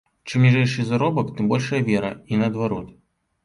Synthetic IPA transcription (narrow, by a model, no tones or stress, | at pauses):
t͡ʂɨmnʲiʐɛjʂɨzaɾɔbɐkt̪ɨmbɔlʲʂɐjɐvʲɛɾɐ̰inɐːd̪vaɾɔt̪